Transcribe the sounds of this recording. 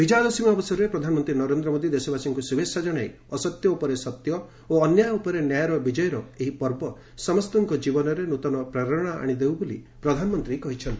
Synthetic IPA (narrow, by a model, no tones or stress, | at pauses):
bʱid͡ʒad̪ɔsimɔːbɔsaɾuɾepɾɔd̪ʱanmɔnt̪ɾinɔɾend̪ɾɔmod̪id̪esɔbasiŋkusubʱesad͡ʒɔɽ̃aj | ɔsɔt̪jɔupɔɾesɔt̪jɔ | oːnjajupɔɾenjajɾɔbid͡ʒɔjɔɾɔeɦipɔɾbɔ | sɔmɔst̪ɔŋkɔd͡ʒibɔnɔɾenut̪ɔnɔpɾaɾɔɾɔɽ̃aa̰ɽ̃id̪ewbolḭ | pɾɔd̪ʱanɔmɔnt̪ɾikɔɦit͡ʃʰɔnt̪i